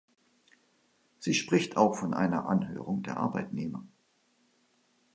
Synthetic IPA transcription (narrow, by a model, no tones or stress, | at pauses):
z̥iːʃpʁ̥ɪçtʰaʊxfɔnʔa̰ɪnɐ̰ʔa̰nɦø̰ːʁ̞ʊŋdeːɐʔa̰ɐbaɪtneːmɐ